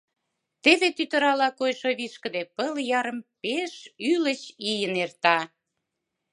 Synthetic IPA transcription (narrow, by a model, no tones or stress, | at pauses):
t̪eβet̪yt̪ə̆ɾɑlɑkojʃoβiʃkə̆d̪epəljɑɾə̆mpeʃylə̆t͡ɕijənert̪ɑ